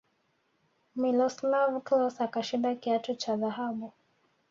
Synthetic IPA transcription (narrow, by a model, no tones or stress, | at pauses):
milɔslavklɔsakaʃindakiatɔt͡ʃaðahaɓu